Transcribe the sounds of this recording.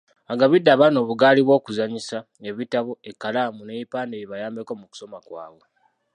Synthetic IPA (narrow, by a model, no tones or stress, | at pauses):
aŋɡaβidːaβano̞ːβuɡaːliβwo̞ːkuzaɲisa | e̞βitaβo̞ekːalaːmuneipaːndeβiβajaːmbeko̞muku̥so̞makwa̰ːβo̞